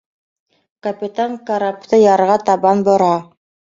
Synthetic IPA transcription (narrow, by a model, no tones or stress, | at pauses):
kɐpʲit̪aŋkaɾapt̪ɤjɑɾʁɑt̪ɑbɑnbŏɾɑ